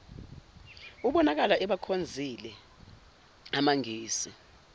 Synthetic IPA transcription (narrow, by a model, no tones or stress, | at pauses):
uɓɔnak̬alaʔɛɓakʰond͡zʱilɛ | amaŋiːsi